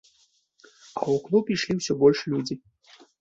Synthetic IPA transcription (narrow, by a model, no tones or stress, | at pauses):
ɐ̰wuklˠupʲiʂlʲiwsʲɔbɔlʲʂlʲud͡zʲi